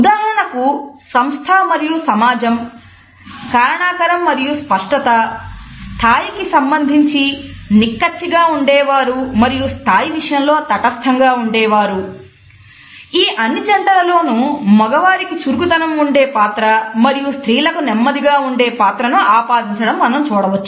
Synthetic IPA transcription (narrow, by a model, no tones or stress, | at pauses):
ud̪aːɦɐɾɐɳɐkusɐmst̪ʰaːmɐɾijusɐmaːd͡ʒɐm | kaːɾɐɳaːkɐɾɐmːɐɾijuspɐʂʈɐt̪ɐst̪ʰaːjikisɐmbɐnd̪ʱiɲt͡ʃinikːɐt͡ʃːiɡaːuɳɖɛːʋaːɾumɐɾijust̪ʰaːjiʋiʂɐjɐmlo̞ːt̪ɐʈɐst̪ʰɐŋɡaːuɳɖɛːʋaːɾu | iːʔɐnːit͡ʃɐɳʈɐlɐlo̞ːnumɔɡɐʋaːɾikit͡ʃuɾɡut̪ɐnɐmuɳɖeːpaːt̪ɾɐmɐɾijust̪ʰɾiːlɐkunɛmːɐd̪iɡaːuɳɖeːpaːt̪ɾɐnuaːpaːd̪iɲt͡ʃɐɽɐmːɐnɐmt͡ʃuːɽɐʋɐt͡ʃːu